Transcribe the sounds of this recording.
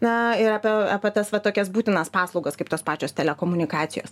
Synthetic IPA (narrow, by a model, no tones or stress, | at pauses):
nɐɪɾɐːpʲɛɐːpʲɛt̪ɐsʋɐt̪oːkʲɛsbuːt̪ʲɪnɐspɑːslˠɒʊɡɐskɐɪpt̪oːspɑːt͡ʃʲoːst̪ʲɛlʲɛkoːmʊnʲɪkɑːt̪sʲɪjo̰ːs